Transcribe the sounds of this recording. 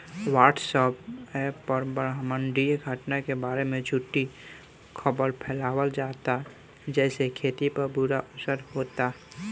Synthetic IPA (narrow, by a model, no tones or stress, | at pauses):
waːʈsəpɛpəɾbəɾɦmə̃ɳɖiɡʱəʈnakebaːɾemẽd͡ʒʱuʈːi | kʰəbəɾpʰɛːlaːwəld͡ʒaːt̪a | d͡ʒɛːsekʰeːt̪ipəɾbuɾaʔʊsəɾhoːt̪a